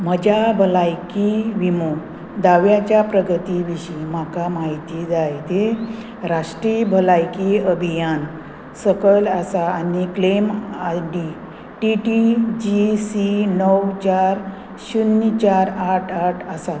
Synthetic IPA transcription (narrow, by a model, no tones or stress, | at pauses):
məd͡ʑʱabʱəlajkiʋimo | d̪aʋjat͡ɕjapɾəɡʱət̪iʋiɕimakamaɦit̪id͡zajt̪e | ɾaʂʈɾibʱəlajkiəbʱijan | səkəlasaːniklemaɖi | ʈiʈid͡ʑisinəwt͡ɕaɾ | ɕunːit͡ɕaɾaʈʰaʈʰəsa